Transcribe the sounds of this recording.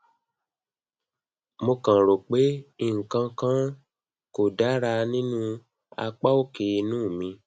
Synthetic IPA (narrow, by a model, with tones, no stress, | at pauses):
mo˧kã˨ɾo˨k͡pe˨˦i˦˨ŋ̩˨kã˧kã˦ | ko˨da˨˦ɾa˧nĩ˦nũ˦ | a̰˧k͡pa˦o˦ke˨˧nũː˦˨mĩ˧